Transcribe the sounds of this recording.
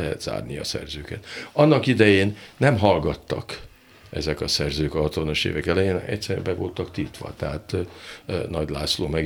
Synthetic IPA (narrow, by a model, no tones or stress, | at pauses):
ɦɛt̪z̥a̰ːrniɒ̰sɛ̰rzøːkɛt̪ɒnːɒkid̪ɛjeːnːɛmɦɒlɡɒt̪ːɒ̰k | ɛzɛkɒsɛrzøːkɒɦɒt̪ʋɒnɒʃḛːvɛkɛlɛjeːnʔɛ̰ct̪sɛɾbɛvo̞lt̪ɒkt̪it̪ʋɒ̰t̪ɛɦaːt̪ | nɒɟlaːsloːmɛɡ